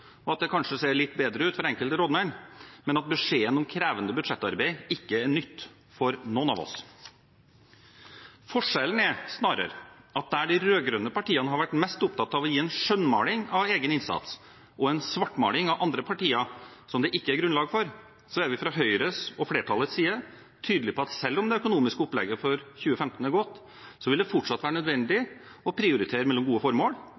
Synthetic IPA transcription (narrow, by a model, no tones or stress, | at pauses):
ɔɑt̪̚d̪ɛkʰɑnʂəseːɭɪt̪ːbeːd̪ɾəʉːt̪fɔɾɛŋkəlt̪əɾoːd̪mæɪnmɛnɑt̪̚bəʂeːənɔmkʰɾæːʋənd̪əbʉd̪ʂɛt̪ːɑ̰ɾbæɪɪkːəæɳʏt̪ː | fɔɾnɔːnɑ̰ʋɔ̰s | fɔʂɛlənæɾsnɑːɾə̰ɾɑt̪̚d̪æɖɪɾøːɡɾønəpɑʈiːɑnəɦɑɾʋæʈmɛst̪ʊp̚t̪ʰɑt̪ːɑʋɔjiːɛnʂœnmɑ̰ːlɪŋɑʋeːɡənɪnsɑ̰t̪s | ʔɔɛnsʋɑʈːmɑ̰ːlɪŋɑʋʔɑnd̪ɾəpʰɑʈiːəsɔmd̪ɛʔɪkːəæɾɡɾʉnlɑːɡfɔɾ | sɔæɾʋɪfɾɑɦœʏɾəsɔfleːʈʰɑlːət̪siːə | t̪ʰyːd̪əlɪpʰɔɑt̪sɛlːɔmd̪ɛœkʊnuːmɪskəɔplɛ̰ɡːəfɔɾçʉːəfɛmt̪n̩æɾɡɔt̪ː | sɔʋɪld̪ɛfɔʈʂɑt̪ːʋæːɾəɳœd̪ʋɛnd̪ɪ | ɔpʰɾɪʊɾɪt̪ʰeːɾəmɛlːɔmɡuːəfɔɾmoːl